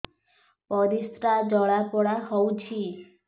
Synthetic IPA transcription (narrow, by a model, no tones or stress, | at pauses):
pɔd̪ist̪ɾad͡ʒɔɭapɔɽaɦɔwt͡ʃʰi